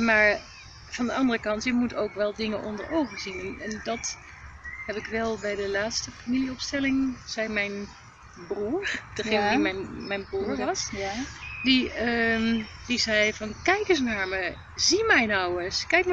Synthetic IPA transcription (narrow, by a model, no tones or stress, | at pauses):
maːɹ | v̥ɑndəɑndərəkɑntɪkmutowkʋɛlˠdɪŋəʔɔ̰ndə̰ɹowχəzinɛnɛndɑt | ɦɛpɪkʋɛlˠbɛjdəlaːtstəfamiliɔpstɛlɪŋz̥ɛjmɛjn | bruɹd̥əχejnədimɛnmɛjnbruːɹʋɑs | diə | d̥izɛjvɑnkɛjkɪsnaːɹmə | zimɛjnɔwəskɛjk